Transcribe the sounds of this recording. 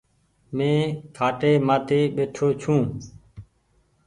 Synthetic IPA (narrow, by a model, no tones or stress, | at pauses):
mẽːkʰaːʈeːmãːt̪eːɓeːʈʰoːt͡ʃʰũː